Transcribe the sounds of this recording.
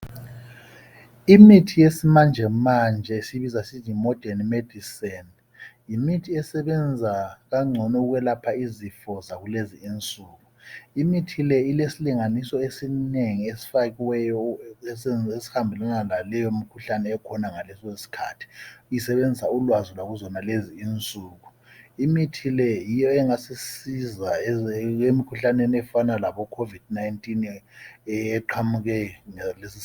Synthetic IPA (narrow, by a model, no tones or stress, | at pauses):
imitʰijesimand͡ʒʱɛmand͡ʒʱɛisiβizasiimɔd̥ʱɛnmed̥ʱisɛn | jimitʰiɛsɛβɛnd͡zʱaɣaŋ͡ǀʱɔnɛuɣwɛlapʰaizifɔzaɣuleziːnt͡sʼuːɣuimitʰilɛilesiliŋanisɔesineŋiesi̥faɣiwɛjɔ | esi̥hambʱɛlwanalalɛjomikʰuɬanɛːkʰɔnaŋalɛsesi̥kʰaːtʰi̥isɛβend͡zʱsaulwazulwaɣuzɔnaleziːnt͡sʼuːɣu | imitʰilɛjijɔɛŋasisiza | emikʰuɬanenɛfanalaβɔkʰovid̥najntʼinɛːǃʰwamuɣɛŋɛlesis